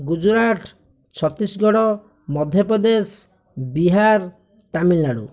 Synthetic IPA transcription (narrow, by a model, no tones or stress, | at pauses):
ɡud͡ʒuɾaʈʰ | t͡ʃʰɔt̪isɡɔɽɔ | mɔd̪ʱjɔpɾɔd̪es | biɦaɾ | t̪amilːaɽṵ